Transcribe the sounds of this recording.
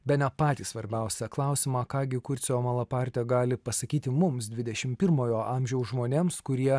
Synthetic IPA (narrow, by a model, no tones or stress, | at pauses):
bʲɛt̪nʲɛpɑːt̪ʲiːssʋɐɾʲbʲæˑʊsʲɛklˠɑˑʊsʲɪmɑːkɑːɡʲɪkʊɾʲt̪sʲoːmɐlˠɐpɑɾʲt̪ʲɛɡɑːlʲɪpɐsɐkʲiːt̪ʲɪmʊmsd̪ʲʋʲɪd̪ʲɛʃʲɪmpʲɪɾmoːjoːʔɑːmʲʒʲɛʊsʒmoːnʲeːmskʊɾʲiɛ